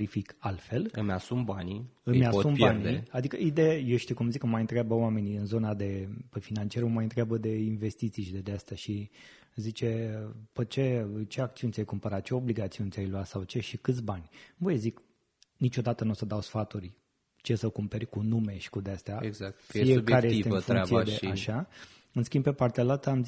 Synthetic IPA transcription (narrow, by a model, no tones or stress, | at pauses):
ɾifikalt̪fe̞lɨmʲasumbaniɨmʲasumpeniead̪ikəid̪ejejewʃit̪ikumzikɨmajɨnt̪ɾeabəwame̞niɨnzo̞nad̪e̞pəfinant͡ʃieɾumajɨnt̪ɾeabəd̪e̞inve̞st̪it̪siʃid̪ed̪east̪eaʃi | zit͡ʃe̞pət͡ʃe̞t͡ʃe̞ak̚t̪siunʲsʲajkumpəɾat̪̚t͡ʃe̞o̞bliɡat̪siunʲt̪ʲajluat̪sawt͡ʃe̞ʃikɨt̪sʲbanʲvojzik | nit͡ʃo̞d̪at̪ənusəd̪awsfat̪urʲ | t͡ʃesəkumpe̞rʲkunume̞ʃi̥kud̪east̪eaɡzk̪fiekaɾejeseɨfuɾkasied̪eaʃa | ɨnskʲimbpe̞part̪ealalt̪əam